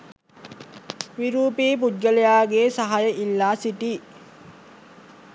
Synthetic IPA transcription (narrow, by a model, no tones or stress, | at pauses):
ʋiɾuːpiːp̬ud̪̚ɡəlejaːɡeːsaɦajəʔilːaːsiʈiː